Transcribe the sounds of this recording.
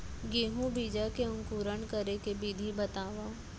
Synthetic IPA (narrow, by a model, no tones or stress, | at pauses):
ɡeːɦũbid͡ʒakeʊ̃ŋkuːɾənkəɾekebid̪ʱibət̪aːʋa